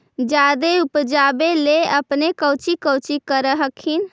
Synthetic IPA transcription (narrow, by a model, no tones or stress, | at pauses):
d͡ʒad̪eupd͡ʒabeleəpnekəwt͡ʃikəwt͡ʃikəɾəɦəkʰin